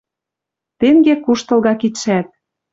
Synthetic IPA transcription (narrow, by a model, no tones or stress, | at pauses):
t̪eŋɡekuʃt̪ɤ̆lɣɑkit̪ʃæt̪̚